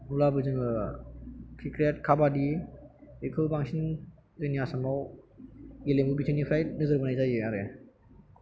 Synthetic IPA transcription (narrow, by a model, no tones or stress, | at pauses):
nulabɯzɯŋɯ | kʰikɾiat̚kʰabadi | ekʰɯbaŋsin | zɯniasamaw | ɡelemubitʰɯnipʰɾajnɯzɯɾbanajzajɯaɾe